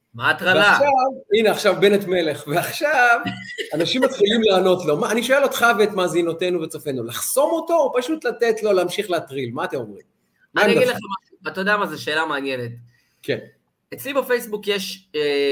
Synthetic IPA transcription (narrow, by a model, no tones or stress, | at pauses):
maːt̪ʁaalaʃavineaχʃavbenet̪mele̞χveaχʃavanaʃimat̪χilimleano̞t̪lo̞maːniʃoelot̪χaveet̪maːzinote̞nuvet͡sofe̞nulaχso̞moto̞ːpaʃut̪latet̪lo̞leːmʃiχleat̪ʁilmaːt̪emo̞mʁḭm | manaiaɡɡidleamaʃuat̪ajod̪eamazeʃe̞ːlameanjene̞t̚ | kʰen | et͡slibefe̞jsbukjeʃ